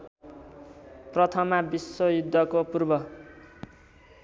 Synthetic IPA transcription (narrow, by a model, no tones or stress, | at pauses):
prʌt̪ʰʌmabisːojud̪ʱːʌkopurbʌ